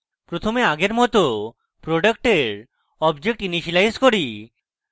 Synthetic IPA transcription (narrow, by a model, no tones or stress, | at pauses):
pɾot̪ʰomeaɡeɾmɔt̪o | pɾoɖəkʈeɾ | ɔbd͡ʑek̚ʈiniʃilajzkoɾi